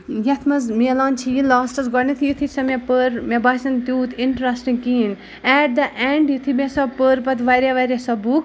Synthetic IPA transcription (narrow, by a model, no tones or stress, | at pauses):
jɐt̪ʰmɐzmiɐlãːnt͡ʃʰijilaːsʈɐzɡɔɽnit̪ʰijut̪ʰisɐmepəɾmebaːsɐnt̪juːt̪ʰɪɳʈɾɐsʈĩŋɡkiːn | ɛːʈ̚d̪ɐʔɛɳɖjut̪ʰimesɐpəɾpɐt̪ʋɐɾeʋɐɾʲesɐbuk